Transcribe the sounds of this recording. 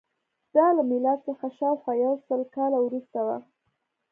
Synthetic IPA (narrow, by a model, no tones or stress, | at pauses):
d̪̥ɑlamɪlɑd̪səxaʃɑwxwajawsəlkɑlawɾust̪awa̰